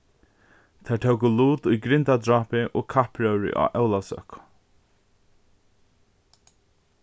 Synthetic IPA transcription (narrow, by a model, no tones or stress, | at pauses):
t̪ʰat̪ʰɛwkʊluːt̪ujɡɾɪnt̪ad̪ɾaːpɪʔɔkʰahpɹœwɹɪ̰ʔa̰ːʔɛwlasœ̰k